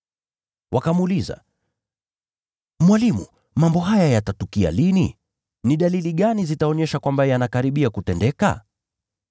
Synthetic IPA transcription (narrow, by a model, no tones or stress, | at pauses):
wʔakamuliza̰ | mwalimṵ | mambɔɦajajatatukia̰lini | niɗaliliɠanizitaɔɲɛʃakwambajanakaɾiɓiakutɛndɛka̰